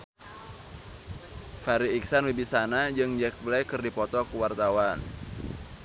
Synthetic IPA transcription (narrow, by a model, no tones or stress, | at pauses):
faɾiik̚sanwibisanad͡ʒɨŋd͡ʒɛk̚blɛkɨrdipɔt̪ɔkuwart̪awan